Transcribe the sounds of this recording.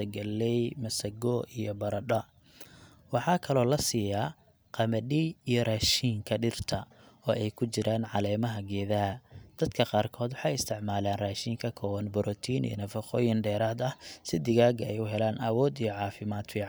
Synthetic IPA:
ɐɡɐlːɛjmɐsɐɡɔːijɔbɐɾɐɖɐ | wɑħɑːkʰɐlɔːlɐsiːja | qɑmɐɗiijɔrɛʃiːŋkʰɐɖɪrt̪ʰɐ | ɔːʔɛjkʰʊt͡ʃɪɾʔaːnʕɑlɛːmɐɦɐɡɛːðɐɦɐd̪̥ɐd̪kʰɐqɑːrkʰɔːd̪wɑħɑjɪst̪ʰɪʕmaːlaːnraːʃiːŋkʰɐkʰɔːwɐnbɔɾɔt̪ʰiːnḭnɐfɐqɔːjɪnɖɛːɾaːd̪ɐhsɪd̪ɪɣaːɡɐɛjʊɦɛlaːnɐwɔːd̪ijɔʕɑːfɪmaːd̪fiːʕ

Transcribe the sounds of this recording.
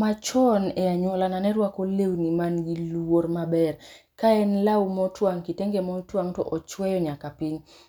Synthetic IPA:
mat͡ʃɔnɛaɲwɔlananɛɾwakolewnimanɡilwormabɛr | kaɛnlawmɔtwaŋkiteŋɡemɔtwaŋtɔ̰ʔɔt͡ʃwɛjɔɲakapiɲ

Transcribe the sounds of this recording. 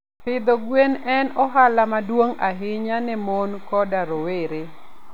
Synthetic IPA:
pɪd̪ɔɡwenɛnɔɦalamadwoŋaɦɪɲanɛmonkɔdaɾoweɾe

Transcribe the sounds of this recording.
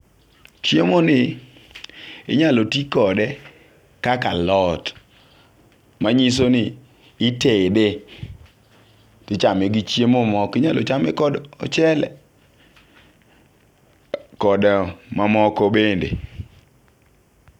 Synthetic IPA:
t͡ʃjemonɪ | ɪ̰ɲalotikɔdɛ | kakalɔt | maɲis̬onɪ | ɪtede | tɪt͡ʃameɡɪt͡ʃjemomɔkɪɲalɔ̰t͡ʃamɛ̰kɔdɔ̰t͡ʃɛlɛ̰ | kɔdmamɔkɔbendḛ

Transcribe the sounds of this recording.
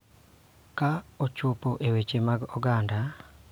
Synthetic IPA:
kaot͡ʃupoʔewet͡ʃemaɡɔɡanda

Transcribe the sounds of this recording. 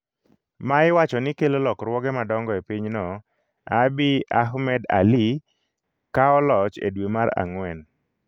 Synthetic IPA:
maɪwat͡ʃɔnɪkelolɔkrwɔɡɛmadɔŋɡɔepiɲnɔ | abiaɦmɛda̰li | kaɔlɔt͡ʃḛdwemaɾa̰ŋwɛn

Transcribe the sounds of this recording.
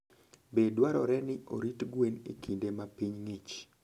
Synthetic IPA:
bedwaɾɔɾɛnɪʔo̰ɾitɡwenḛkʰindemapiɲŋit͡ʃ

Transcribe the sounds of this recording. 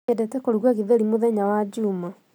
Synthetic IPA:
ɛdɛtɛkoɾuɣwɛɣiðeɾimoðɛɲawad͡ʑuːma

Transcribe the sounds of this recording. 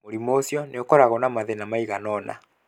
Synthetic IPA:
oɾimoːsjɔneokɔɾaɣɔnamaðenamaiɣanɔna̰

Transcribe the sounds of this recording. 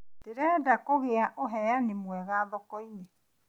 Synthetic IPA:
teɾɛdakoɣeaʔoɦɛanemwɛɣaːðɔkɔinɛ

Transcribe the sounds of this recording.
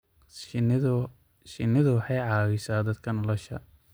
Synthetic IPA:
ʃɪnɪðʊwɑħɑjʕɑːwɪsaːd̪ɐd̪kʰɐnɔlɔʃɐ

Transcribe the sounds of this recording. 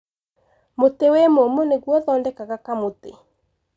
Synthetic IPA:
motewemomoneɣwɔðɔːndɛkaɣakamotḛ

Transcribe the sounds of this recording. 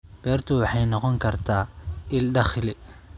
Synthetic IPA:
b̥ɛːrt̪ʰʊwɑħɑjnɔqɔŋkʰɐrt̪ʰaːʔɪlɖɐχɪlɪ

